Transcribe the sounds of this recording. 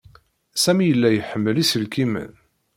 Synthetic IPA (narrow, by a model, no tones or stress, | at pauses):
sæmijəlːæjəħəmːəlisəlkimə̰n